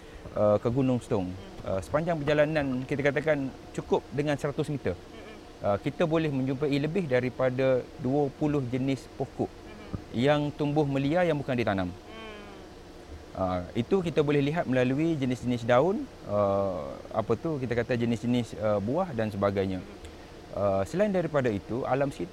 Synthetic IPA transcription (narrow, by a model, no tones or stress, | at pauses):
ʔəkəɡunʊŋst̪ɔŋ | ə̰sə̥paɲd͡ʒaŋpərd͡ʒalanãnkit̪akat̪akan | t͡ʃukʊp̚dəŋãnsəɾat̪ʊsmit̪ə | ʔəkit̪abolɛhmə̃ɲd͡ʒumpəiləbɪhdaɾipadaduəpulʊhd͡ʒənɪspokʊʔ | jaŋt̪umbʊhmə̃liajaŋbukandit̪anãm | ʔəit̪ukit̪abolɛhliɦat̪̚məlaluid͡ʒənɪsd͡ʒənɪsdaʊn | ə | a̰pat̪uhkit̪akat̪ad͡ʒənɪsd͡ʒənɪsəbuahdansəbaɡajɲã | ʔəsəlaindaɾipadait̪ua̰lamsəkit̪